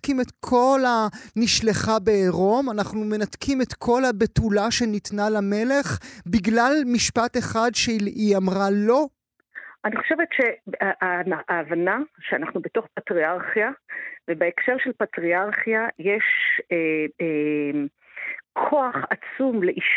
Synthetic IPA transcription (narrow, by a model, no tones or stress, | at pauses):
kimetkʰo̞laniʃleχabeːʁo̞manaχnume̞natkʰime̞tkʰo̞labetulaʃe̞nitnalame̞le̞χbiɡlalmiʃpate̞χadʃeiamʁalo̞ | ʔaniχoʃevetʃeaanaʔaːvanaʃeanaχnubeto̞χpatʁiaʁχjavebeekʃeʁʃelpatʁiaʁχjajeʃee | kʰoaχat͡sumleʔiʃ